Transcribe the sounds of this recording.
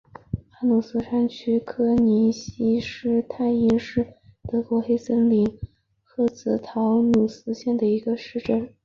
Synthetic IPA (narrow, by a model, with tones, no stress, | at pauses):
xa˧˥nu˨˩sɹ̩˥ʈ͡ʂʰa˥nt͡ɕʰy˥kʰɤ˥ni˧˥ɕi˥ʂɻ̩˥˧t̪ʰa˥˩ɪi˥nʂɻ̩˥˩t̪ɤ˧˥kwɔ˧˥xe˥ɪsə˥nli˧˩ŋ | xɤ˥˩t͡sɹ̩˧˥˩t̪ʰɑ˧˥ʊnu˨˩sɹ̩˥ɕjɛ˥˩nd̪ə˩i˧˥ɡə˧ʂɻ̩˥˧ʈ͡ʂə˥˩n